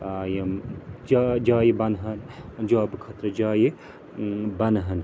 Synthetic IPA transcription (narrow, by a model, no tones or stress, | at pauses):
jɐmd͡ʒad͡ʒaːjebɐnɦɐnd͡ʒoaːbɨkʰɐt̪ɾɐd͡ʒaːje | bɐnɦɐn